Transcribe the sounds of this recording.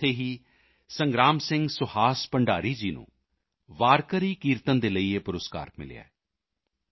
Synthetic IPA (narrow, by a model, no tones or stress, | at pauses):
t̪ʰeːɦiː | sə̃ŋɡɾaːmsɪ̃ŋɡsʊhaːspəɳɖaːɾiːd͡ʒiːnṵ̃ː | ʋaːɾkəɾiːkiːɾt̪ənd̪eːləiːeːpʊɾəska̰ːɾmɪ̰lɪ̰ja̰ːɛː